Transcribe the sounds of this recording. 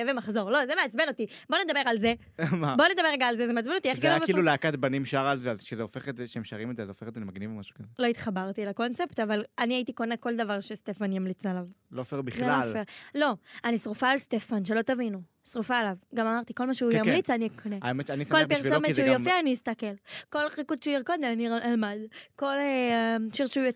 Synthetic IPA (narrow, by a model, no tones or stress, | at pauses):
evemaχzo̞ʁlo̞zemeat͡sbeno̞t̪ibo̞ne̞d̪abe̞ʁalze | mabo̞ned̪abeʁeɡaːlzezemeat͡sbenot̪ieχɡeveailuleakat̪banimʃaʁalzealʃezeofeχet̪zeʃeemʃaʁimezeazeofeχet̪animaɡnivamaʃu̥kazelo̞it̪χabaʁt̪ilako̞nt͡se̞pt̪avalaniait̪iko̞neko̞ld̪avaʁʃest̪e̞fanjamlit͡salavlofeʁbiχlalfeʁlo̞anisʁufaːlst̪e̞fanʃelo̞t̪avinu | sʁufaːlavɡamamaʁt̪iko̞lmaʃeujjamlit͡sanikʰoneameaniskolpiʁsomeʃeujofiaːniist̪akelko̞lχikud̪ʃeuiʁkod̪eaniʁalmad̪ko̞leʃiʁʃuo